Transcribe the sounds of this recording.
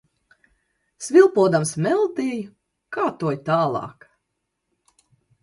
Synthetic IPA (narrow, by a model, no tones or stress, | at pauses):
svʲilˠpuɔd̪amsmɛlˠd̪iːj | kaːt̪uɔjt̪aːlˠɑ̰ːk